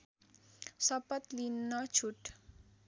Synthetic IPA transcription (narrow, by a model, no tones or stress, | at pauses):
sɔpʌt̪linːɔ̥d͡ʒʱuʈ